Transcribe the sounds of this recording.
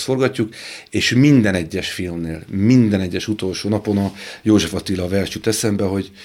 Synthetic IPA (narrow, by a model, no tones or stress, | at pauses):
sfo̞rɡɒcːukeːʃmind̪ɛnɛɟːɛʃfilmneːlmind̪ɛnɛɟːɛʃut̪o̞lʃoːnɒpo̞nɒjoːʒɛfɒt̪ilːɒvɛrʃyt̪ɛsɛmbɛɦo̞ɟ